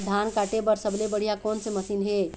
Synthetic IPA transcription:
d̪ʱankaːʈebəɾsəblebəɽ̤ijakɔːnseməsiːnɦe

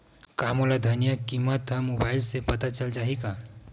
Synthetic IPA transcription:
kamolad̪ʱənijakimːət̪ːəmobaɪlsepət̪at͡ʃəld͡ʒaɦika

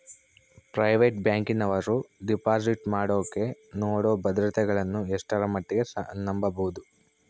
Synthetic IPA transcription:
pɾɐjʋeʈ̚bjaːŋkinɐʋɐɾuɖipaːsiʈmaːɽoːkːe̞noːɽoːbɐd̪ɾɐt̪ɛɡɐɭɐnːueʂʈɐɾɐmɐʈːiɡe̞snɐmbɐbɐud̪u

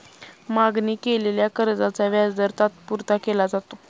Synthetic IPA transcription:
maɡniːkeleljakəɾd͡zat͡saʋjad͡zd̪əɾt̪at̪puɾt̪akelad͡zat̪o

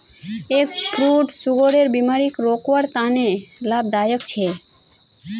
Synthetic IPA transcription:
ekpɾuʈsuɡoɽeɾbimaɾikɾokʋaɾt̪ãnelab̚d̪ajəkt͡ʃʰe

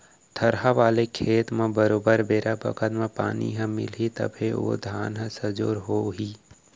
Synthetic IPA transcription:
t̪ʰəɾɦaʋaːlekʰeːt̪mẽbəɾoːbəɾbeːɾʔabə̰kʰət̪mẽpa̰ːnḭɦə̃mɪ̰lɦit̪ə̰bʱeo̰d̪ʱaːnɦə̃səd͡ʒoːɾɦoːɦiː

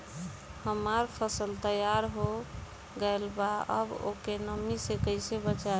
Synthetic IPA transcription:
həmaɾpʰəsəlt̪əjaɾɦo | ɡəlbaə̰bo̰kenəmisekəɪsebət͡ʃa

